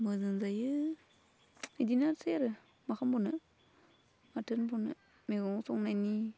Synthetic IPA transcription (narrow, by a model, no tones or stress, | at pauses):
mɯzɯŋzajɯ | idinaɾseɾɯ | makʰambɔnɯ | matɯnbɔnɯ̰ | meɡɔŋsɔŋnajni